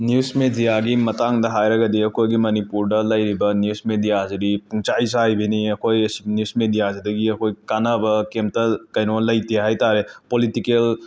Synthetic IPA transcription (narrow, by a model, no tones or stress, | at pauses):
njusmedijaɡimɐtaŋdɐɦajɾɐɡɐdiɐkʰojɡimɐnipuɾdɐlɐjɾibɐnjusmedijazidipuŋt͡ʃajsajbiniɐkʰojsnjusmedijasidɐɡiɐkʰojkanɐbɐkemtɐkɐjnolɐjtiɦajtaɾepolitikel